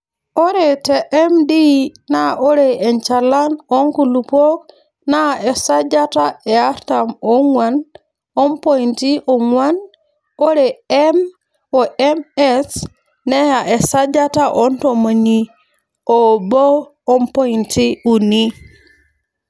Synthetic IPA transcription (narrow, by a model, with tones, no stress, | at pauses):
o˦ɾe˨teʔe˦mdi˦na˦o˦ɾee˨ɲt͡ʃa˨la˦no˦ŋku˨lu˨po˦k̚ | na˦e˨sa˦d͡ʒa˦ta˦e˨a˦ɾtamo˦ŋwan | o˦mpo˦inti˦ʔo˨ŋwa˦n | o˦ɾe˨em | o˨ʔemes | ne˦jaʔe˨sad͡ʒa˦taʔo˦nto˨ma˨ɲi˦ | o˨boː˦ | mpo˦inti˦uni˦